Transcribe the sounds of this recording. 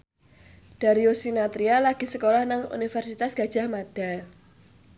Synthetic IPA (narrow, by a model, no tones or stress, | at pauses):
d̥a̤ɾiosinat̪ɾialaɡ̥i̤səkolahnaŋṵnifɛrsit̪asɡ̥a̤d̥ʒ̥a̤hmad̥a̤